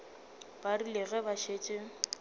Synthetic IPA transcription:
b̥arilɪɣɛbaʃeːt͡ʃʼe

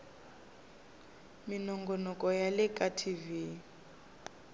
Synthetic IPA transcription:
minɔŋɡɔnɔkʼɔjalɛkʼatʰivi

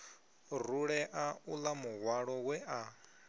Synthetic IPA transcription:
ruɺɛʔaulamuɣwaɺɔwɛʔa

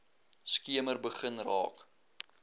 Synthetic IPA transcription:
skiəmərbəχənrɑ̰ːk

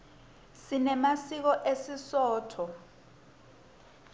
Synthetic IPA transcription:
sinɛmasik̬ɔʔesisɔːtʰɔ

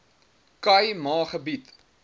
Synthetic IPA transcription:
kɐjmɑːχəbit

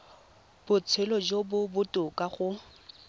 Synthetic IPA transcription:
b̥ʊt͡sʰelɔd͡ʒobʊbʊtʼʊkʼaχʊ

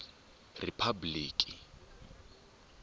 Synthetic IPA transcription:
ripʰabliːkʼi

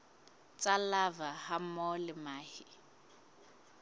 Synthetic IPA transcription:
t͡sʼalavahamɔlɪmaːhɪ

